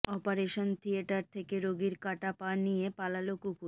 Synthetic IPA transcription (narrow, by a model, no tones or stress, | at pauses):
ɔpaɾeʃont̪ʰieʈaɾt̪ʰekeɾoɡiɾkaʈapaɾnijepalalokuku